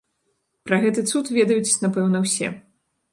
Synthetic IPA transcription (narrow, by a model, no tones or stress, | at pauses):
pɾɐɣɛt̪ɨt̪sut̪vʲɛd̪ɐjut͡sʲnapɛwn̪ɐwsʲɛ̰